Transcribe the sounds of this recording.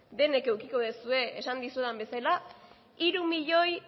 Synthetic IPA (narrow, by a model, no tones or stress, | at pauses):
d̪e̞ne̞ke̞wkiko̞ðesue̞esand̪isueðambe̞sala | iɾumiʎo̞j